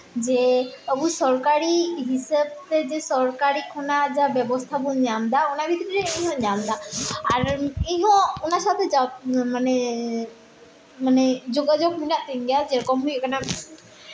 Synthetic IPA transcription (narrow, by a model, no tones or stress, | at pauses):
d͡ʒɛəbusɔɾkaɾiɦisəbt̪ɛd͡ʒɛsɔɾkaɾikʰɔnad͡ʒabɛbɔst̪ʰabuɲamd̪aunabʱit̪ɾiɾɛiɦɔ̃ɲamd̪aːɾiɦɔ̃unasat̪ɛd͡ʒamanɛ | manɛd͡ʒoɡad͡ʒoɡ̚minaʔt̪iŋɡjad͡ʒɛɾɔkɔmɦujɔkanam